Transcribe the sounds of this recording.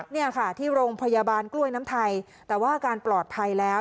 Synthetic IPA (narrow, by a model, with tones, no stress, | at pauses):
ni˥˩ɐkʰa˥˩t̪ʰiː˥˩ɾoː˧ŋpʰa˧ja˧baː˧nklu˥˩əjnaː˦˥mt̪ʰa˧j | t̪ɛː˨˩waː˥˩kaː˧nplɔː˨˩t̪̚pʰa˧jlɛː˦˥w